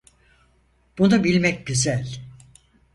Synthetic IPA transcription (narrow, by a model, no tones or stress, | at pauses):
b̥unubilʲmɛc̚ɟyzælʲ